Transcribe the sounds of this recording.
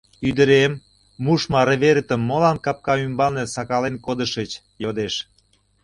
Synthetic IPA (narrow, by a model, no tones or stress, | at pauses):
yd̪əɾemː | uʃmɑɾĕβeɾət̪ə̆mːolɑnkɑp̚kɑymbɑmnesɑkɑlenkod̪əʃət͡ɕ | jod̪eʃ